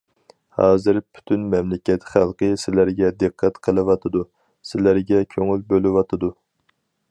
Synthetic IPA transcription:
hɑ̰ːzɨɾpʰy̥t̪ʰynmɛmlɪkʲɛt̪χælˠqʰəsɪlæɾɡʲɛd̪ɨqʰːɛt̪qʰəlˠɨwɑt̪ʰɨd̪u | sɪlæɾɡʲɛkʲʰøŋylbølɪwɑt̪ʰɨd̪u

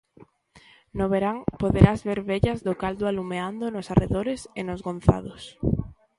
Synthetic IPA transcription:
noβeɾaŋpoðeɾazβeɾβeʎɐzðʊkald̪ʊalumeand̪onosareðoɾesenozɣon̟θa̰ðʊs

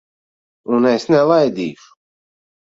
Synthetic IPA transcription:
unɛsnɛlˠajd̪iːʃu̥

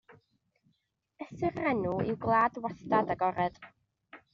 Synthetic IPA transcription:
əsɪrɛnuɪ̰wɡlˠaːdwastadaɡɔɾɛd̥

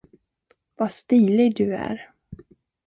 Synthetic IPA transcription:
vast̪iːlɪɡ̚d̪ɵæ̰ɾ

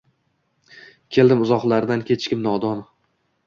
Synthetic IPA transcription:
kʲʰe̞ld̪ɪmʊzɒqlˠaɾd̪ankʲʰe̞t͡ʃʰkʲɪmnɒd̪ɒn

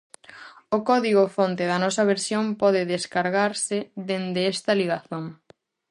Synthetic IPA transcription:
ʊkɔðiɣʊfont̪ɪðɐnɔsɐβ̞eɾsjompɔðɪðeskaɾɣaɾsɪðend̪eɛst̪ɐliɣaθoŋ

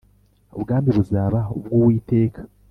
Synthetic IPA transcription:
uβɡaːmbiɾuzaːβaṵbɡuːwiːte̞ːkʰḁ

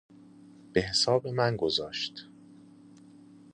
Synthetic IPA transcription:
b̥e̞ɦesɒːbemænɡozɒːʃt̪

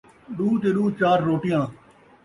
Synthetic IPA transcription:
ɗuːt̪eːɗuːt͡ʃaːɾːoːʈɪjãː

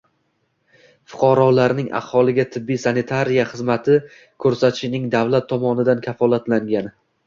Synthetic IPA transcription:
fʊ̥qʰɑɾɒlaɾnɪŋʔa̰hɒlˠɪɡʲat̪ʰɪbːijsanɪt̪ʰaɾijaχɨzmat̪ʰɪ | kʰɵɾsat̪ʰɪʃɪnɪŋd̪avlat̪ʰːɒmɒnɪd̪ankʲʰafɒlˠat̪laŋɡʲan

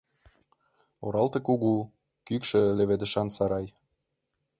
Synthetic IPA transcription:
oɾɑlt̪ɤ̆kuɣu | kykʃĕleβed̪ə̆ʃɑnsɑɾɑj

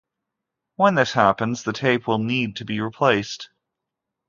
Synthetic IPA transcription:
wə̃nðɪshæpə̃nzðɨtʰeɪpwɪlˠnid̚tʰɨbiɹipʰl̥eɪst

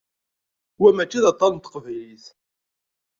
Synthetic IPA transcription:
wæmæt͡ʃːiðɑt̪ˤːɑnt̪ːə̥qvæjliθ

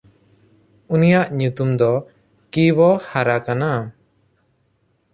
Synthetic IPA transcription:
unijaʔɲut̪umd̪ɔ | kiβɔhaɾakana

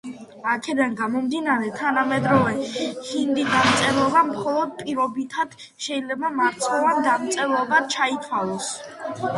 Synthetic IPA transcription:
akʰɛd̪anɡamɔmd̪inaɾɛt̪ʰanamɛd̪ɾɔvɛhind̪id̪amt̪sʼɛɾɔbamχɔlˠɔd̪̚pʼiɾɔbit̪ʰad̪̥ | ʃɛilɛbamaɾt̪sʰʼɔvand̪amt̪sʼɛɾɔbat͡ʃʰait̪ʰwalˠɔs

